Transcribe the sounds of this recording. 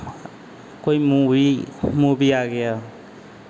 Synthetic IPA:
kojmuimubiaɡeja

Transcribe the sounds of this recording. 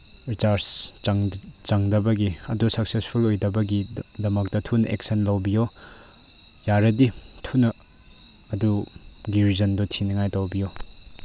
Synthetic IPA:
ɾit͡ʃaɾsŋt͡ʃaŋdɐbɐɡiɐdusɐk̚sespʰulojdɐbɐɡidɐmak̚tɐtʰunɐʔek̚sɐnlɐwbijo | jaɾɐditʰunɐː | duɡiɾzɐndɔtʰinɐŋajtawbijo

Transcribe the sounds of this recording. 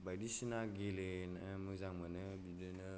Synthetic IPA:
badisinaɡelenamuzaŋmənəbidinə

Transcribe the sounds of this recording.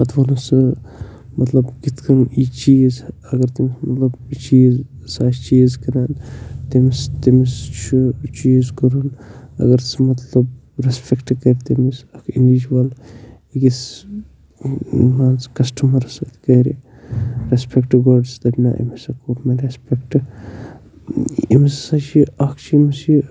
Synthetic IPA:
ɐt̪ʰʋɐlusɨ | mɐt̪lɐbɡit̪kɐnit͡ʃiːz | ɐɡɐɾt̪imsmɐt̪lɐbt͡ʃiːz | saːt͡ʃiːzkɐɾant̪imst̪imist͡ʃʰut͡ʃiːzkɐɾunɐ̰ɡɐɾsmɐt̪lɐb̚ | ɾespʰekʈkɐɾt̪imisɐkʰinʋid͡ʒuwɐl | iɡis | maːnt͡skɐsʈʰɐmɐɾɐsɐt̪kɐɾḭ | ɾespʰekʈɡoɖst̪ɐbʲna̰ːʔḛmisɐkoːɾmeɾespekʈ | ḭmissat͡ʃʰiɐkʰt͡ʃimisi

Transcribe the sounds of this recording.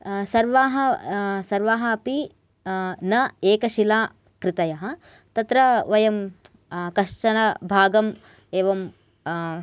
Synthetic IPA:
sɐɾʋaːɦɐsɐɾʋaːɦɐɐpi | nɐeːkɐʃilaː | kɾɪt̪ɐjɐɦɐ | t̪ɐt̪ɾɐʋɐjɐm | kɐʂt͡ʃɐnɐbʱaːɡɐm | eːʋɐm

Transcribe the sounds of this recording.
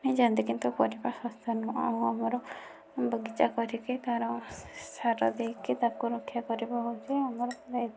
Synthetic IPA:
mid͡ʒand̪ikint̪ukɔɾibasɔ̃st̪ʰɔnũa̰ũamɔɾɔ | bəɡit͡ʃakɔɾiket̪aɾɔ̃saɾɔ̰d̪ejkit̪ab̚kuɾɔkʰːjakɔɾibɔɦowt͡ʃʰiamɔɾɔlajd̪

